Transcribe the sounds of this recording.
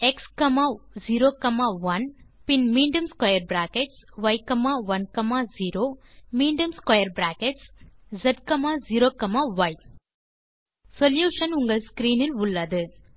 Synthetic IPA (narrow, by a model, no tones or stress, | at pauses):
ɛkskɐmaːziːɾoːkɐmaːʋɐnpɪnmiːɳɖjɐmskwɐjɐɾbɾaːkeʈsʋɐjkɐmaːʋɐnkɐmaːziːɾoːmiːɳɖɐmskwɐjɐɾbɾaːkeʈszɐɖ̚kɐmaːziːɾoːkɐmaːʋɐj | sɔljuːʂɐnʊŋɡɐɭskɾiːnɪlʊɭːɐðɯ